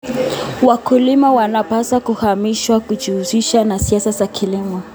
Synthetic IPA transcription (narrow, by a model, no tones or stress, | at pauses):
wakulimawanapasakuhamiʃwakud͡ʒiuziʃanasiasazakʰilimɔ